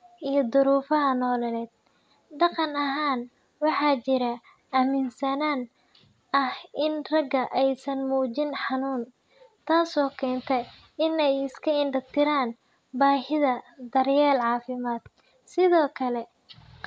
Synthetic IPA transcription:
ʔijɞd̪ʊɾuːfɐɦɐnɔːlɛlɛːd̪̥̚ | ɖɑqɑnɐɦaːn | wɑħɑːt͡ʃɪɾɐ | ɐmɪnsɐnaːn | ɐhʔɪnrɐɡɐʔɛjsɐnmuːt͡ʃɪnħɑnuːn | t̪ʰaːsɔːkʰɛːnt̪ʰɛ | ɪnɛjɪskʰɐɪnɖɐt̪ʰɪɾaːn | baːhɪðɐd̪ɐrjɛːlʕɑːfɪmaːd̪̥̚ | sɪðɔːkʰɐlɛ

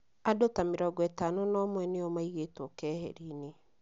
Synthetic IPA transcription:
adotameɾɔɡɔɛtaːnɔnɔmwɛneɔmaiɣetwɔkɛːhɛ̰ɾine

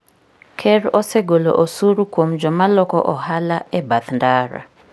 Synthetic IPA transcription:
kʰɛɾɔsɛɡolo̰ʔosuɾukwomd͡ʒɔmalɔkɔʔɔhalaɛbat̪ndaɾa̰

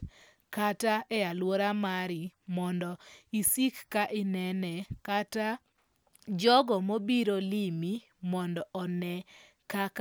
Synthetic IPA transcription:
kataɛalwoɾamaɾɪmɔndɔisikːaʔɪnɛnɛkata | d͡ʒɔɡɔmobiɾolimi | mɔndɔʔɔnɛ | kak

